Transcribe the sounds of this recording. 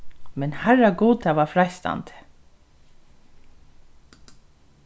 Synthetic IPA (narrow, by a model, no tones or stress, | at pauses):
mɛnhæɹaɡuːt̪aʋafɾajst̪a̰nt̪ɪ̥